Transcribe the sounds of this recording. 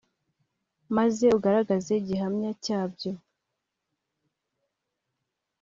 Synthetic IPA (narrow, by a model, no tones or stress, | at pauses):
maze̞uɡaɾaɡaze̞iɟiɦamɲacaːbɟo̞